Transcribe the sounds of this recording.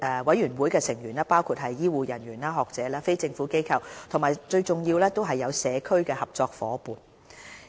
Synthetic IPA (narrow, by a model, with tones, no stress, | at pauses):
ɛː˧wɐ˨˥jyː˨˩nwu˨˥jkɛː˧sɪ˨˩ŋjyː˨˩naː˥paː˥wkʰu˧t̚ɦɐ˨jːiː˥wuː˨˧jɐ˨˩nɥyː˨˩naː˧ɦɔː˨k̚t͡sɛː˨˥laː˥fe˥jt͡sɪ˧ŋfuː˨˥ke˥jkʰɐ˧wt̪ʰʊ˨˩maː˨˩jt͡ʃɵ˧ɥt͡sʊ˨˩ŋjiː˧wlɛː˥t̪o˥wɦɐ˨jːɐ˨˧wsɛː˨˧kʰɵ˥ɥkɛː˧hɐ˨p̚t͡sɔː˧k̚fɔ̰ː˨˧˥puː˨n